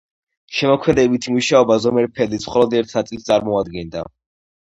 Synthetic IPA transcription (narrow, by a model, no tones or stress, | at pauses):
ʃɛmɔkʰmɛd̪ɛbit̪ʰimuʃaɔbazɔmɛɾpʰɛlisχɔlˠɔd̪ɛɾt̪ʰnat̪sʼisst̪sʼaɾmɔad̪ɡɛnd̪a̰